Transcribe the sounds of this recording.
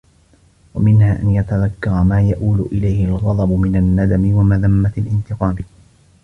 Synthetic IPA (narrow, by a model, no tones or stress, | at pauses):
wamɪnhaːʔanjat̪aðakːɑɾˤmaːjaʔuːlʊʔɪlajhɪlɣɑd̪ˤɑbʊmɪnanːad̪amɪwamaðamːat̪alʔɪnt̪ɪqɑːmɪ